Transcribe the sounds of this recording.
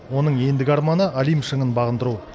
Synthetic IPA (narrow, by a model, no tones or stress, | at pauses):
wo̞nəɴe̞nd̪ɪɡʲɑɾmɑnəʔalijmʃəɴənbɑʁənd̪əɾu